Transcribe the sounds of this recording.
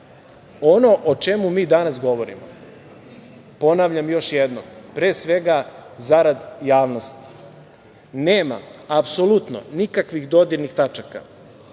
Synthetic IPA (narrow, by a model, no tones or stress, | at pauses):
ono̞ʔot͡ʃe̞mumiːd̪anasɡo̞ʋo̞ɾḭmo | po̞naʋʎamjo̞ʃjed̪nompɾeːsʋe̞ɡazaɾad̪jaːʋno̞st̪i̥ | ne̞ːma̰apsolut̪no̞̰nikakʋixd̪o̞d̪iɾnixt̪at͡ʃaka̰